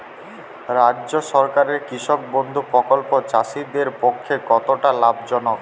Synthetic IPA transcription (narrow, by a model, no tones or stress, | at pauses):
ɾadʑoʃɔɾkaɾeɾkɾiʃok̚bond̪ʱupɾɔkolpot͡ɕaʃid̪eɾpokʰːekɔt̪oʈalab̚d͡ʑɔnok